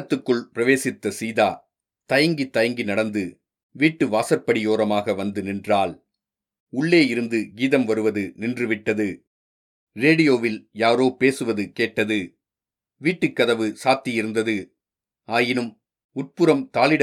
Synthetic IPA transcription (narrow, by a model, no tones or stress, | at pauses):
t̪ːɯkːɯɭpɪɾɐʋeːsɪt̪ːɐsiːðaː | t̪ɐjɐŋɡit̪ːɐjɐŋɡinɐɽɐnd̪ɯ | ʋiːʈːɯʋaːsɐɾpːɐɽɪjoːɾɐmaːɣɐʋɐnd̪ɯnɪndraːl | ʊɭːeːjɪɾɯnd̪ɯɡiːðɐmʋɐɾɯʋɐðɯnɪndrɯʋɪʈːɐðɯ | ɾeːɽɪjoːʋɪljaːɾoːpeːsɯʋɐðɯkeːʈːɐðɯ | ʋiːʈːɯkːɐðɐʋɯsaːt̪ːɪjɪɾɯnd̪ɐðɯ | aːjɪnɯm | ʊʈ̚pɯɾɐmt̪aːlɪɽ